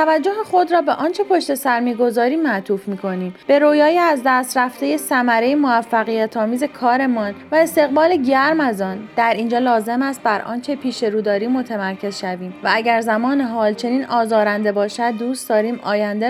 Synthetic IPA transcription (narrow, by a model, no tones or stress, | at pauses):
t̪ʰævæd͡ʒːo̞ɦeχo̞d̪ɾɒːbe̞ʔɒːnt͡ʃʰe̞pʰo̞ʃt̪e̞sæɾmiːɡo̞zɒːɾiːmːæt̪ʰuːfmiːkʰo̞niːmb̥e̞ɾoːjɒːjeæzd̪æst̪ɾæft̪e̞jesæmæɾe̞jemovæfːæɣijæt̪ʰɒːmiːze̞kʰɒːɾe̞mɒːnvæe̞st̪e̞ɣbɒːleɟæɾmæzɒːnd̪̥æɾiːnd͡ʒɒːlɒːze̞mæst̪̚bæɾʔɒ̰ːnt͡ʃʰe̞pʰiːʃe̞ɾuːd̪ɒːɾiːmo̞t̪ʰemæɾcʰe̞zʃæviːmvææɟæɾzæmɒːne̞ɦɒːlt͡ʃʰe̞niːnɒːzɒːɾænd̪e̞bɒːʃæd̪̚ːuːstd̪̥ɒːɾiːmɒ̰ːjænd̪e